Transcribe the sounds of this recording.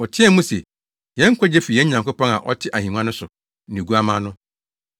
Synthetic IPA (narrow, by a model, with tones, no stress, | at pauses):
ɔ˨tʰɪ˦ɛ˦mũ˦sɛ˨ | jɛ̃˦ŋ̩˦kʷʰɔ˦d͡ʑɛ˦fi˨jɛ̃˦ɲã˨ŋkʊ˦pɔ̃˦ŋa̰˨ʔɔ˦tʰɪ˦ʔa˨hĩ˨m˦ã˦nʊ̃˦sʊ˨ | nɪ̃˨ɡu˦a˦mãː˦nʊ̃˦